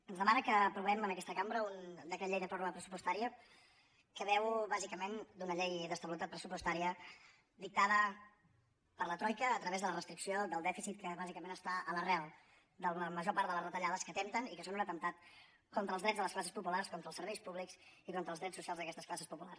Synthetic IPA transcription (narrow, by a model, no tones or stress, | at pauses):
ənzðəmanəkəpɾuβɛmənəkɛst̪əkambɾəund̪əkɛʎejðəfoɾməpɾəsu̥pust̪aɾiə | kəβɛwβazikəmend̪unəʎejðəst̪əβilit̪at̪̚pɾəsupust̪aɾiə | d̪ik̚t̪aðə | pəɾlət̪ɾɔjkəːt̪ɾəβezðələrəst̪ɾiksiod̪əlˠd̪ɛfisit̪̚kəβazikəmenəst̪aʔələrɛlˠ | d̪əlˠəməʒopaɾt̪d̪ələzrət̪əʎaðəskət̪emt̪ənikəsonunət̪ənt̪at̪̚ | kont̪ɾəlˠzðɾɛd͡zðələsklasəspupularskont̪ɾəlˠsəɾβɛjspuβliksikont̪ɾəːlzðɾɛt͡sːusialˠzðəkɛst̪əsklasəspupulars